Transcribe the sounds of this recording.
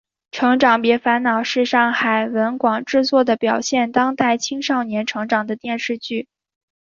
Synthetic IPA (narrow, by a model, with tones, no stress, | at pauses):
ʈ͡ʂʰɤ˧˥ŋʈ͡ʂɑ˨˩ŋpjɛ˧˥fa˧˥nnɑ˨˩ʊʂɻ̩˥˧ʂɑ˥˩ŋxa˨˩ɪwə˧˥nkwɑ˨˩ŋʈ͡ʂɻ̩˥˧t͡swɔ˥˩d̪ə˩pjɑ˨˩ʊɕjɛ˥˩nt̪ɑ˥ŋt̪a˥˩ɪt͡ɕʰi˥ŋʂɑ˥˩ʊnjɛ˧˥nʈ͡ʂʰɤ˧˥ŋʈ͡ʂɑ˨˩ŋd̪ə˦t̪jɛ˥˧nʂɻ̩˥˧t͡ɕy˥˩